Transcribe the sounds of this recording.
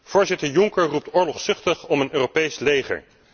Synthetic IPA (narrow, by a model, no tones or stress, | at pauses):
v̥ʊːɹzɪtəɹjʊŋkəɹrup̚tʊːɹlɔχsʏχtəχɔmənøːropejslejχə̰ɹ